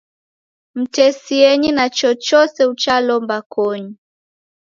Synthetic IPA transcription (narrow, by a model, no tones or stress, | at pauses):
m̩tɛsiɛɲinat͡ʃɔt͡ʃɔsɛut͡ʃalɔmbakɔɲi